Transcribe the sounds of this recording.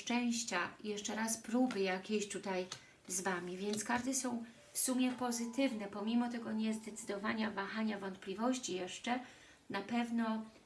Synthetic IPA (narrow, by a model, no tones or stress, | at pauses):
t͡ʂɛ̃w̃ɕt͡ɕajɛʂt͡ʂɛɾaspɾubɘjakʲeɕt̪ut̪aj | zvamʲivʲjɛnt̪skaʐd̪ɛsɔ̃w̃ | fsumʲjɛpɔzɘt̪ɘvnɛpɔmʲimɔt̪ɛɡɔɲɛzd̪ɛt̪sɘd̪ɔvaɲavaxaɲavɔnt̪̚plʲivɔɕt͡ɕijɛʂt͡ʂɛ | napɛvnɔ